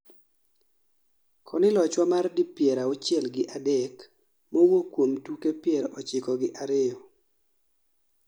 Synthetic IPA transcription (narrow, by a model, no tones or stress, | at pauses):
kʰɔnɪlɔt͡ʃwamardipjɛɾaʊt͡ʃɪɛlɡɪʔadɛk | mowokwomtukepjɛɾɔt͡ʃɪkɔɡɪʔaɾɪjɔ